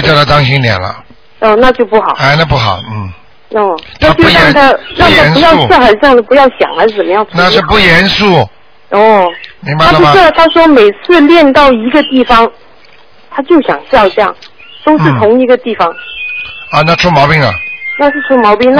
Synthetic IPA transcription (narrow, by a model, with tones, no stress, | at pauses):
t͡ɕjt̪a˥˩t̪ɑ˥ŋɕi˥ŋljɛ̰˨˩nlə̰˦ | ɔ˥˧na˥˧t͡ɕjo˥˧ʊpu˥˩xɑ˨˩˦a˥˧ɪna˥˧pu˥˩xɑ̰˨˩˦ʊn̩˥˩ | ɔ˥˧˩na˥a˥˩t͡ɕjo˥˧˥ɛ˥˧˩ŋt̪ʰa˥ʈ͡ʂa˥˩ŋa˧˥nu˧˥jɑ˥˧ʊ˧sxa˧˥ʈ͡ʂ̩˥jɑ˥˩ŋd̪ə˩pu˧˥jɑ˥˩ʊɕjɑ̰˨˩ŋxa˧˥ʂ̩˥˩t͡sə˨˩mə˦jɑ˥˩ŋt͡sʰna˥˧ʂɻ̩˥˧pu˥˩jɛ˧˥nsu˥˩ | ɔ˥˩mi˧˥ŋba˧a˥ləpu˧˥˧ʂ̩˥˩˨t̪ʰa˥ʂwɔ˥me˨˩ɪt͡sʰɹ̩˥˧ljɛ˥˧nt̪ɑ˥˩ʊi˧˥ɡə˧t̪i˥˩fɑ˥ŋ | t̪ʰa˥t͡ɕjo˥˩ʊɕjɑ̰˨˩ŋɕjɑ˥˧ʊʈ͡ʂɤ˥˧jɑ̰˥˩ŋ | t̪o˥ʊʂ̩˥˩t̪ʰʊ˧˥ŋi˧˥ɡə˧t̪i˥˩fɑ˥ŋ | ə˧na˥˩ʈ͡ʂʰu˥mɑ˧˥ʊpi˥ŋlə̰˨˩na˥˧ʂ̬̩˥˩ʈ͡ʂʰu˥mɑ˧˥ʊpi˥ŋna˥